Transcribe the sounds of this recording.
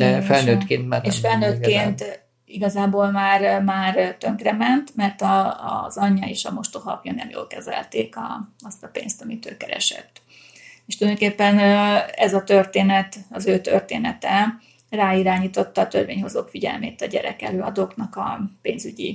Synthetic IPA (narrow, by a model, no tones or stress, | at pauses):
d̪ɛfɛlnøːt̪keːnt̪mɛneʃfɛlnøːt̪keːnt̪ | iɡɒzaːboːlmaːrmaːrt̪ø̞ŋkrɛmɛnt̪mɛrt̪ɒ̰zɒɲːɒeːʃɒmo̞ʃt̪oɦɒ̰pjonḛːmjo̰ːlkɛzɛ̰lt̪eːkɒ̰ɒst̪ɒpḛːnst̪ɒmit̪øːkɛɾɛ̰ʃɛ̰t̪ː | eʃt̪uljd̪okeːpːɛnɛzɒt̪ørt̪eːnɛt̪ɒzøːt̪ø̰rt̪eːnɛt̪ɛ | raːiɾaːɲiːt̪o̞t̪ːɒːt̪ørveːɲho̞zoːkfiɟɛ̰lmḛːt̪ɒɟɛ̰ɾɛ̰kɛløːɒd̪oːknɒkɒpeːnzyɟḭ